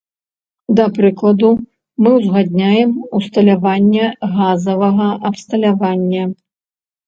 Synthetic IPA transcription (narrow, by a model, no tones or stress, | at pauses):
d̪ɐpɾɨklˠɐd̪u | mɨwzɣad̪ʲnʲajɛmust̪ɐlʲavanʲːɛɣazɐvɐɣɐʔɐpst̪ɐlʲavanʲːɐ